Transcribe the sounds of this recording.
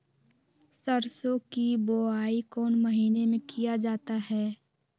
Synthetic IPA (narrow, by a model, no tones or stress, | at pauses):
səɾsõkiboaːikɔːnməɦiːnemẽkijad͡ʒaːt̪aɦɛː